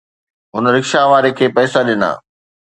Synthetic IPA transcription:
ɦʊnɾɪkʃaʋaːɾekʰeːpɛːsaɗɪna̰ː

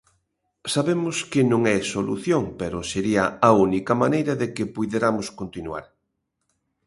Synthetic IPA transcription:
saβemʊskɪnõŋɛsolṵθjoŋpeɾʊseɾiɐaunikɐmanejɾɐðekɪpujðeɾamʊskont̪inua̰ɾ

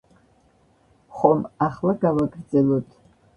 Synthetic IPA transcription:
χʷomaχlɨɡawakʼrd͡zʼalutʰʼ

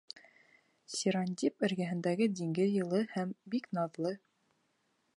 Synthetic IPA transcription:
sʲiɾanʲd̪ʲipɘ̆ɾɡæɦɘ̆nd̪æɡɘd̪ʲiŋɡɘðjɤ̆lˠɤhæmbiknɑðlˠɤ

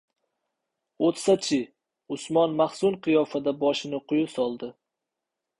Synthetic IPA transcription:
ot̪sat͡ʃʰɪ | ʊsmɒnmaχsʊnqʰɨjɒfad̪abɒʃɪnɪqʰʊjʊsɒlˠd̪ɪ

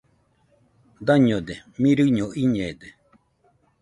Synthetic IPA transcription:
d̪aɲod̪emĩɾɨɲoʔiɲeːd̪e

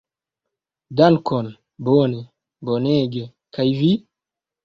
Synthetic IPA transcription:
dankon | bone | boneɡe | kajvi

